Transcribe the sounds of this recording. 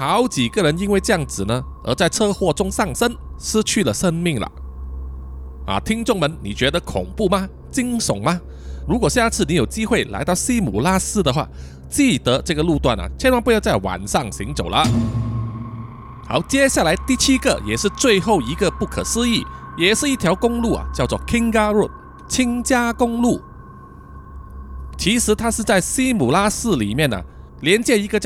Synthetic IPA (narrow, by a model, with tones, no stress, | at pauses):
xɑ˧˥ʊt͡ɕi˨˩ɡə˧ɻə˧˥ni˥nwe˥˧ɪʈ͡ʂɤ˥˧jɑ˥˩ŋt͡sɹ̩˨˩nə˦ | ə̰˧˥t͡sa˥˧ɪʈ͡ʂʰɤ˥xwɔ˥˧ʈ͡ʂʊ˥ŋsɑ˥˩ŋsə˥nʂ̩˥t͡ɕʰy˥˩lə˩ʂə˥ŋmi˥˩ŋlə̰˩ | a̰˨˩t̪ʰi˥ŋt͡sʊ˥˩ŋmə˧˦nnḭ˨˩t͡ɕɥɛ˧˥d̪ə˧kʰʊ̰˨˩ŋpu˥˩mɐ˧ | t͡ɕi˥ŋsʊ˨˩˦ŋmɐ˧ | ɻu˧˥kwɔ˨˩ɕja˥˧t͡sʰɹ̩˥˩ni˧˥jo˨˩ʊt͡ɕi˥xwe˥˩ɪla̰˧˥ɪt̪ɑ˥˧ʊɕi˥mṵ˨˩la˥sɹ̩˥d̪ə˨xwa̰˥˧ | t͡ɕi˥˩t̪ə˧˦ʈ͡ʂɤ˥˩ɡə˩lu˥˧t̪wa˥˩nɐ̰˩t͡ɕʰjɛ˥nwa˧˥npu˧˥jɑ˥˧ʊt͡sa˥˩wa̰˨˩nʂɑ˥˩ŋɕi˧˥ŋt͡so˨˩ʊlə˦ | xa˧˥ʊt͡ɕjɛ˥ɕja˥˩la˧˥ɪt̪i˥˩t͡ɕʰi˥ɡə̰˨jɛ˨˩ʂɻ̩˥˧t͡swe˥˧ɪxo˥˩ʊi˧˥ɡə˧pu˥˩kʰə̰˨˩sɹ̩˥i˥˩jɛ˨˩ʂɻ̩˥˧i˥˩t̪ʰjɑ˧˥ʊkʊ˥ŋlu˥˩ɐ̰˩t͡ɕjɑ˥˧ʊt͡swɔ̰˥˩kʰi˥ŋka˥ɻu˥˩ | t͡ɕʰi˥ŋt͡ɕja˥kʊ˥ŋlu˥˩ | t͡ɕʰi˧˥ʂɻ̩˧˥t̪ʰa˥ʂɻ̩˥˧t͡sa˥˩ɪsi˥mu˨˩la˥sɹ̩˥˩lḭ˨˩mjɛ˥˩nə̰˩ | ljɛ˧˥nt͡ɕjɛ˧˥i˧˥ɡə˧t͡ɕ